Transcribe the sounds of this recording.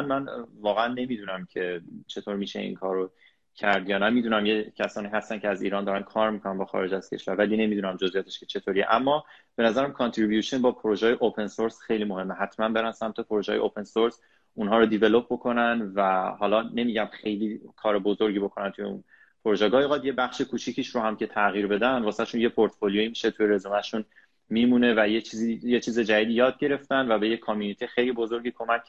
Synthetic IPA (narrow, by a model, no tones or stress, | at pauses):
nmænvɒːɣeænːe̞miːd̪unæmcʰe̞t͡ʃʰe̞t̪ʰoːɾmiːʃḛḭːnkʰɒːɾo | cʰæɾd̪jɒːnæmiːd̪unæmjecʰæsɒːniːɦæst̪ænkʰcʰeæzḭːɾɒːnd̪ɒːɾænkʰɒːɾmiːkʰonænbɒːxɒ̰ːɾed͡ʒæz̥cʰe̞̰ʃvæɾvæliːne̞miːd̪uːnæmd͡ʒo̞zʔijɒːt̪ʰeʃket͡ʃʰe̞t̪ʰoɾijḛʔæmːɒːb̥e̞næzæɾæmkʰont̪ʰɾibjuʃonbɒːpʰoɾoʒɒːjeʔopʰe̞nsoɾsxe̞jliːmo̞ɦe̞mːeɦæt̪ʰmænbe̞ɾænsæmt̪ʰe̞pʰoɾoʒɒːjeʔopʰe̞nsoɾs | unɦɒːɾod̪ivelo̞p̚bo̞kʰo̞nænvæhɒːlɒːne̞miːɟæmxe̞jliːkʰɒːɾebozo̞ɾɟibo̞kʰo̞nænt̪ʰuje̞̰ṵn | pʰoɾoʒɛːɡɒːjeɣɒːd̪je̞bæχʃekʰuːt͡ʃʰicʰiːʃɾohæmcʰe̞t̪ʰæɣiːɾbe̞d̪ænvɒːseæʃunje̞pʰoɾt̪folioimiʃe̞t̪ʰujeɾe̞zumæʃun | miːmune̞væjet͡ʃʰizijet͡ʃʰiːze̞d͡ʒæd̪iːd̪ijɒːd̪̚ɟe̞ɾe̞ft̪ænd̪væbe̞jekʰːɔmjuːnit̪ʰixejlibozo̞ɾɟikʰo̞mæcʰ